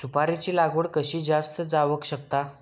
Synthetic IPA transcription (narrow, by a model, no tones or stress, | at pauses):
supaɾit͡ɕiːlaɡəɽkəɕiːd͡zast̪əd͡zaʋəkɕək̚t̪a